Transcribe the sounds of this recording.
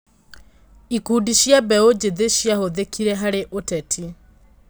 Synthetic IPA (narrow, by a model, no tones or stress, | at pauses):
ikudiʃjabɛod͡ʒeðeʃjahoðekʰiɾɛɦaɾeʔotɛtʰi